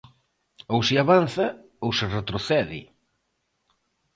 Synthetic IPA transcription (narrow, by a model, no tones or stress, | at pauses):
owsiaβan̟θa | owsɪret̪ɾoθɛðɪ̰